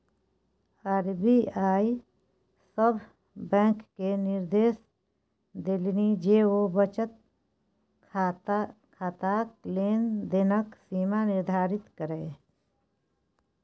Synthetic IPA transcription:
aɾbiaːi | səbʱ | bɛ̃ːkːenɪɾd̪eːs | d̪ɪlnid͡ʒeːobət͡ʃət̪̚ | kʰaːt̪akleːnd̪enəksiːmanɪɾd̪ʱaːɾɪt̪kəɾẽː

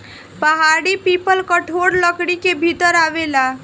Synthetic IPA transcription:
pəɦaɽipipəlkəʈʰoɽləkɽikebʱit̪əɾaʋela

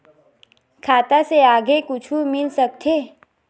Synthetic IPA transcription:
kʰaːt̪aseaːɡekʊt͡ʃʰumɪlsɐk̚t̪ʰeː

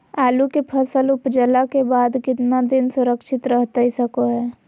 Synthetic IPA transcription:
aːlukepʰəsəlʊpd͡ʒəlakebaːd̪kɪt̪nad̪ɪnsʊɾəkʃʰɪt̪ɾəɦt̪aisəkoɦɛː

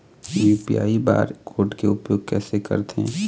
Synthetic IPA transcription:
juːpḭja̰ːiba̰ːɾkʰoːɖkeʊpjoːɡ̚kɛːsekə̰ɾt̪eɛ̰̃

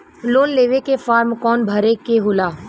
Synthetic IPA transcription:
loːnleːʋekefaːɾmkɔːnbʱɐɾekeɦʊlaː

